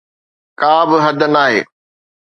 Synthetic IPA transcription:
kaːbɪɦɐd̪ənaːɦeː

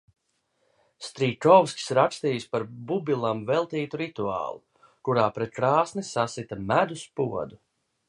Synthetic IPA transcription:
st̪ɾiːkɔwskʲsɾakst̪iːjspaɾbubilˠamvɛlˠt̪iːt̪uɾit̪ua̰ːlˠu | kuɾaːpɾɛt̪̚kɾaːsnisasit̪amæd̪uspuɔ̰d̪u

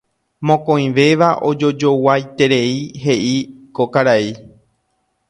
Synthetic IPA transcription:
mõkõj̃ʋe̞ʋaʔo̞d͡ʒod͡ʒo̞wajt̪e̞ɾe̞iɦe̞ʔikokaɾai

